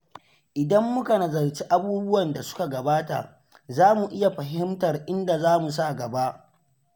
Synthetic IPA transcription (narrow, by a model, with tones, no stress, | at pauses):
ʔɪ˨dɐ˦mːʊ˦ka˨nɐ˨zɐ˨rt͡ʃi˦ʔa˦buː˦bʊ˦wɐ˨nda˨sʊ̥˦ka˨ɡɐ˨baː˦ta̰˨ | zaː˦mu˨ʔɪ˦ja˨ɸɐ˨ɦɪ˦mtɐ˨rʔɪ˦nda˨zaː˦mu˨s̬a˦˨ɡɐ˨ba˦ʔ